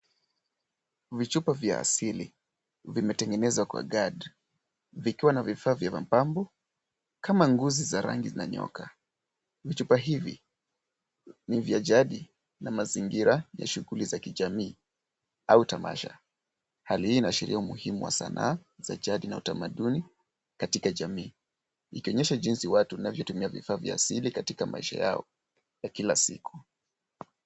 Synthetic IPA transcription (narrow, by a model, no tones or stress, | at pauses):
vit͡ʃupavjaa̰silḭ | vimɛtɛŋɡɛnɛzwakwa̰ɠaɗ | vikiwanavifaːvjava̰m̩pambɔ | kamaŋɡuzizaɾa̰ŋɡizinaɲɔ̰kʰa | vit͡ʃupaɦivḭ | nivjaʄaɗi | namaziŋɡiɾaja̰ʃuɣulizakiʄamiː | autama̰ʃa | halihiːnaʃɛɾḭaumuhimuwa̰sa̰nʔa̰ːza̰ʄaɗinautamaɗuni | katikaʄamiː | ikiɔɲɛʃaʄinsiwatuanavjɔtumiavifaːvjaːsilikatikamʔaiʃa̰ja̰ɔ | jakilasiku̥